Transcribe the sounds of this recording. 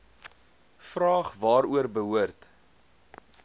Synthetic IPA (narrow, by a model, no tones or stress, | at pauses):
frɑːχvɑːɾuərbəɦuərt